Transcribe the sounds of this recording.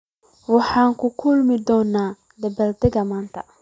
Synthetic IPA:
wɑħɑːŋkʰʊkʰʊlmɪd̪ɔːnaː | d̪ɐbɐld̪ɛɣɐmaːnt̪ʰɐ

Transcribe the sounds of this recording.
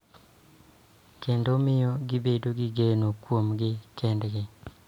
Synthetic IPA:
kendomɪjɔɡɪbedoɡɪɡenokwomɡɪkɛndɡɪ

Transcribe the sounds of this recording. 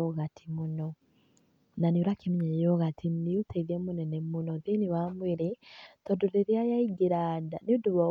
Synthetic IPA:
ɔɣatʰi̥munɔ | nanioɾakemiɲɛjɔɣatʰiniutaiðɛmonɛnɛmunɔðeniwamweɾetɔdoɾeɾjajaiɡeɾadaniuduβɔ

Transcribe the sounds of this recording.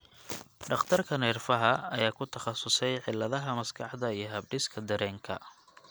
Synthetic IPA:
ɖɑχt̪ʰɐrkʰɐnɛːrfɐɦɐɐjaːkʰʊt̪ʰɐχɑsʊsɛjʕɪlːɐðɐɦɐmɐskʰɑħd̪ɐijɞɦɐbɖɪskʰɐd̪ɐɾɛːŋkʰɐ̰

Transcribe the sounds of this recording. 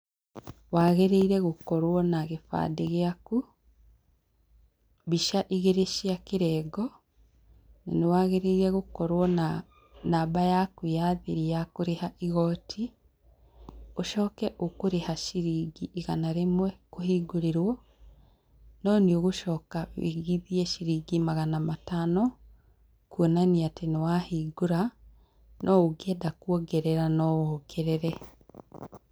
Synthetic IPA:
waːɣeɾeiɾɛɣokɔɾwɔnaɣefa̰ːdeɣeaku | βiʃaʔiɣeɾeʃiakeɾɛːɡɔ | na̰newaːɣeɾeiɾɛɣokɔɾwɔna | naːbajakujaðeɾijakoɾehaʔiɣɔtʰi | oʃɔːkɛʔokoɾehaʃiɾiːɡiʔiɣanaɾemwɛkohiːɡoɾeɾwɔ | nɔnioɣoʃɔːkaβḛɣiðiɛʃiɾiːɡimaɣanamatanɔ | kwonaniatenewahiɡoɾa | nʔɔoɡɛdakwɔɡɛɾɛɾanɔwɔːkʰeɾeɾɛ

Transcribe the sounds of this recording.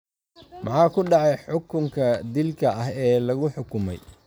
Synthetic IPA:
mɑħɑːkʰʊɖɑʕɑjħʊkʰʊŋkʰɐd̪ɪlkʰɐɐɦɛːlɐɣʊħʊkʰʊmɛ̰j

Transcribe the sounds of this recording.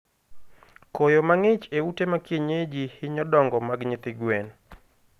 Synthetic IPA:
kojomaŋɪt͡ʃeutemakjeɲed͡ʒihɪɲɔdɔŋɡɔmaɡɲɪt̪ɪɡwɛn

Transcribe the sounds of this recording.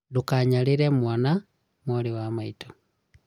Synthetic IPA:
dukaɲaliɾemwana | mwoɾiwamaito̥

